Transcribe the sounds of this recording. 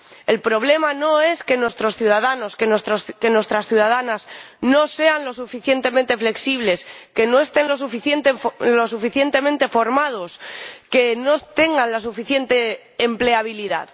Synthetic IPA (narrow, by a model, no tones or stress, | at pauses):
e̞lpɾo̞β̞le̞mano̞e̞ske̞nwe̞st̪ɾo̞sθjuð̞aðano̞skenwest̪ɾoske̞nwe̞st̪ɾasθjuðað̞anazno̞se̞anlo̞sufiθjent̪e̞mẽnt̪e̞fle̞ksiβ̞le̞ske̞no̞e̞st̪e̞nlo̞s̬ufiθjent̪elo̞sufiθje̞nt̪e̞mẽnt̪e̞fo̞ɾmað̞o̞ske̞no̞t̪e̞ŋɡanlas̬ufiθje̞nt̪e̞ː | mple̞aβ̞iliða̰ð